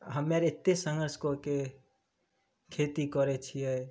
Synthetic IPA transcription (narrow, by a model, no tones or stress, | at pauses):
ɦəmːeɾɪt̪ːesə̃ŋɡəɾskoke | kʰet̪ikɔɾɛt͡ʃʰiɛ